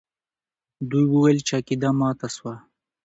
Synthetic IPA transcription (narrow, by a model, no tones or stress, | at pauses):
d̪ujwəwelt͡ʃakid̪amɑːt̪aswa